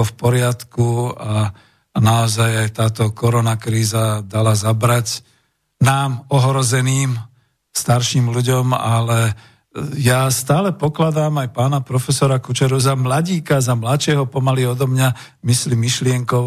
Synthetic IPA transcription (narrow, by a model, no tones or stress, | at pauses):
ɔfpɔɾɪat̪kua | naɔzajajt̪aːt̪ɔkɔɾɔnakɾiːzad̪alazabɾac | naːmɔɦɾɔzɛniːm | st̪aɾʃiːmluɟɔma̰lɛ | jast̪aːlɛpɔklad̪aːmajpaːnapɾɔfɛsɔɾakut͡ʃɛɾuzamlaɟiːkazamlat͡ʃɪɛɦɔpɔmaliɔd̪ɔmɲa | mislimːiʃlɪɛŋkɔʊ